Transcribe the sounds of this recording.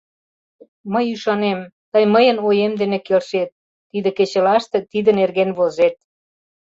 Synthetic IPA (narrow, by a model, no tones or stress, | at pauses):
məjyʃɑnemt̪əjməjənojemd̪enĕkelʃet̪̚ː | id̪ĕket͡ɕə̆lɑʃt̪ĕt̪id̪ə̆nerɣenβozet̪̚